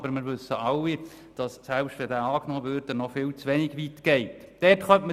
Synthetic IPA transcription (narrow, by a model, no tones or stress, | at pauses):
bəɾmɪɾʋɵsːəɑlːi | d̥ɑssælpʃtʋɛdæːɑːknoːvøɾdənɔfɪːlt͡sʋɛnɪɡʋit̪ɡ̥ɛɪtd̥ɛtχœmtmə